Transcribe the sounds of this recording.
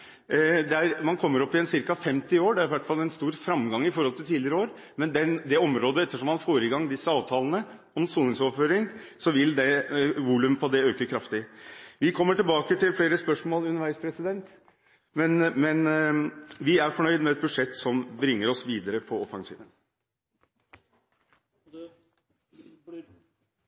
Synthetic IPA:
d̪ɛæɾmɑnkʰɔmːəɾɔpːɪɛnsɪɾkɑfɛmt̪ɪoːɖɛæɾɪʋæʈfɑlːɛnst̪uːɾfɾɑmːɡɑŋːɪfɔɾhɔlt̪ɪlt̪ʰiːlɪəɾəoːɾ | mɛnd̪ɛnd̪ɛɔmɾoːd̪əɛt̪ːəʂɔmːɑnfoːɾəɡɑŋːd̪ɪsːəɑːʋt̪ʰɑːlənə | ɔmsuːɪŋsɔføːɾɪŋsɔʋɪld̪ɛʋuːlʉmpʰɔɑd̪ɛøːkəkʰɾɑft̪ɪʋɪkʰɔmːəʈɪlbɑːkət̪ʰɪlfleːɾəspœʂmoːləʉnəʋæɪspʰɾɛsɪd̪ɛnt̪ | mɛnmɛn | ʋɪæɾfɔɳœʏd̪mɛɛt̪̚bʉdʂɛt̪ːsɔmbɾɪŋːəɾɔsʋiːd̪əɾəpʰɔɔfɑŋsḭːd̪ən

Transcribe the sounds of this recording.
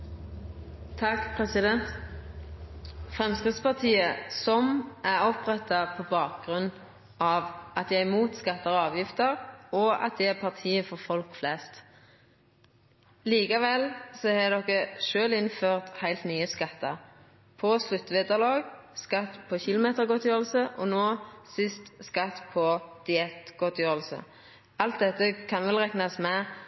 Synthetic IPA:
t̪ʰɑkpʰʁɛsɪd̪ɛnt̪ | fʁɛmskʁɪt̪spɑʁt̪ʰiːəsɔmʔæʁɔpʁɛt̪ːɑpʰɔbɑːk̚ɡʁʉnː | ʔɑʋʔɑt̪jæɪmuːt̪skɑt̪ːɑʁɑːʋjɪft̪əʁɔɑ̰t̪̚d̪ɛæpʰɑʁt̪ʰiːəfɔʁfɔlkflɛst̪ | liːkɑʋɛlsɔhɛd̪ɔkːəʃøːlɪnføːʁt̪hæɪlt̪nyːəskɑt̪ːɑ̰ʁ | pʰɔslʉt̪ːʋɛːd̪ɑlɑːɡskɑt̪ːpʰɔçɪlʊmeːt̪əʁɡɔt̪jøːʁəl̩səʔɔnoːsɪst̪skɑt̪pʰɔd̪̥ɪɛt̪ɡ̥ɔt̪ʰjøːʁlsə̰ | ɑlt̪̚d̪ɛt̪ːəkʰɑnʋɛlʁɛknɑsmɛ

